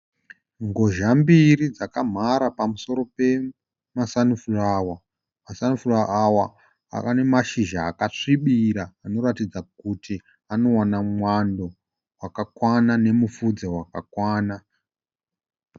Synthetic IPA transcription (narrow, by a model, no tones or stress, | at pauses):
ŋɡo̞ʒambirid͡zakam̤aɾapamuso̞ɾo̞pe̞ | masanufurawa | masanufuraawa | a̰kane̞maʃiʒaːkaʂiɓiɾaːno̞ɾatid͡zak̚utʰi | ano̞wanamwando̞ | wakakwanane̞mufud͡zawakakwaːna